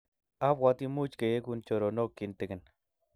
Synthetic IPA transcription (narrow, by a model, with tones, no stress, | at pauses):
a˦pwa˧t̪i˦mu˦t͡ʃke˨je˦ku˧nt͡ʃo˨ɾo˨no˦kːi˨nt̪e˨ke˨n